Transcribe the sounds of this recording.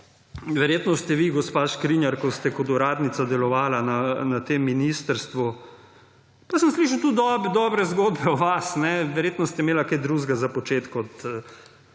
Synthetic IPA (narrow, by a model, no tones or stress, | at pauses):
ʋɛɾjeːt̪nɔst̪ɛʋiɡɔspaːʃkɾinjaɾkɔst̪ɛkɔt̪uɾaːd̪nit̪sad̪ɛlɔʋaːlananat̪emːinist̪əɾst̪ʋu | pasəmsliʃ̬at̪ud̪ɔbd̪ɔːbɾɛzɡoːd̪bɛɔʋasnɛʋɛɾjeːt̪nɔst̪ɛmeːlakajd̪ɾuːʒɡazapɔt͡ʃeːt̪kɔt̪